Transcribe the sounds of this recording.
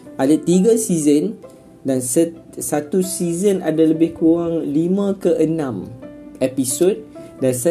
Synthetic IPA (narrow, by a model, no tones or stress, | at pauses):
ʔadat̪iɡasizən | dans | sat̪usizənadaləbɪhkuaŋlimãkəʔənãmɛpisot̪̚dansa